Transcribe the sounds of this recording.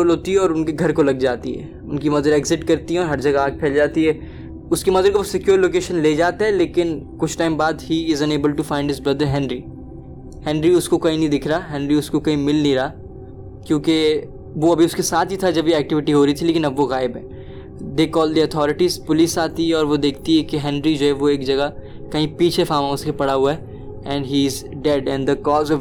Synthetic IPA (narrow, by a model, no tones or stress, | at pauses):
oːlɦoːt̪iɦɛɔːɾʊnkeɡʱɐɾkolɐɡd͡ʒaːt̪ḭɦɛ̰ː | ʊnkimɐd̪əɾɛːɡzɪʈkɐɾt̪iɦɛ̃ɔːɾɦɐɾd͡ʒɐɡaaːɡ̚pʰɛːld͡ʒaːt̪iɦɛː | ʊskimɐd̪əɾkoʋosɪkjuːɾloːkeːʃənleːd͡ʒaːt̪aɦɛleːkɪnkʊt͡ʃʰʈaːɪ̃mbaːd̪hiːɪzɐ̃neːbəlɖ̚ʈufãɪ̃ɳɖɦɪzbɾɐd̪əɾɦɛ̃ːnɾi | hɛ̃ːnɾiʊskokɐɦĩnɐ̃ɦĩd̪ɪkʰɾaɦɛ̃ːnɾiʊskokɐĩmɪlnĩɾaː | kjõːke | ʋoɐbʱiʊskesaːt̪ʰɦit̪ʰad͡ʒɐbʱiɛːk̚ʈɪʋɪʈiɦoːɾɐit̪ʰileːkɪ̃nɐbʋoɣaːɪbɦɛː | d̪eːkɔːld̪iɐt̪ʰɔːɾɪʈiːzpʊlisaːt̪iɦɛɔːɾʋod̪eːkʰt̪iɦɛkeɦɛ̃nɾid͡ʒoːɦɛʋoeːkd͡ʒɐɡa | kɐɦĩpiːt͡ʃʰefaːmãʊ̃skepɐɽaɦuaɛ | ɛ̃ɳɖɦiːɪz | ɖɛɖɛ̃nd̪əkɔːzɔ